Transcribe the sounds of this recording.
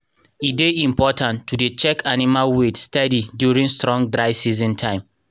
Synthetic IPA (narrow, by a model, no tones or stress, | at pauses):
ideĩmpɔtʰãntʰːudet͡ʃɛkʰanimalwetstɛdidjuɹĩŋstɹɔ̃ŋdɹaɪsizĩntʰãɪ̃m